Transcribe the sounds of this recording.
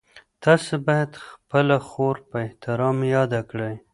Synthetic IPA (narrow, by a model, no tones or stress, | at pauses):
t̪ɑsebɑjad̪xpəlaxoɾpəɪht̪ɪɾɑmjɑd̪akɽəj